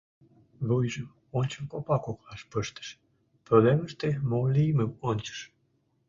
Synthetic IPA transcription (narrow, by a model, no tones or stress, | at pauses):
βujʒəm | onʲt͡ɕəmkopɑkoklɑʃpəʃt̪ə̥ʃ | pɾoβleməʃt̪emolʲiməmonʲt͡ɕə̥ʃ